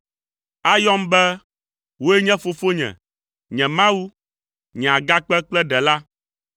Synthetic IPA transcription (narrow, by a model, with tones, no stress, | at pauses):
a˦jɔ˦mbɛ˦ | wo˦ɛ˦ɲɛ̃˦fo˨fo˦ɲɛ̰̃˨ | ɲɛ̃˨mã˦wu˦ | ɲɛ̃˨a˨ɡa˦k͡pɛ˦k͡plɛ˦ɖɛ˨la˦